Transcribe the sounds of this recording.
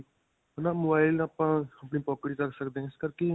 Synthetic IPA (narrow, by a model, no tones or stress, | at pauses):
ɦnaːmoːbaːɪlaːpãːəpniːpɔːkəɽiːkəksəkd̪eɛ̃ɪskəɾke